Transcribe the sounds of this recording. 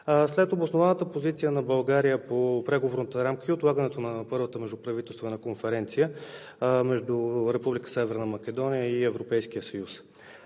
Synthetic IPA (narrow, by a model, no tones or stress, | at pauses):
slɛt̪obosnovanət̪əpozit̪sijənɐbɐlˠɡaɾijəpopɾɛɡovoɾnət̪əɾamkəiot̪lˠaɡənɛt̪onɐpɤɾvət̪əmɛʒd̪upɾɐvit̪ɛlˠt̪vɛnəkonfɛɾɛnt̪sijə | mɛʒd̪uɾɛpublʲikə̥sɛvɛɾnəmɐkʲɛd̪ɔnijəiɛvɾopɛjsk̟ijəsəjus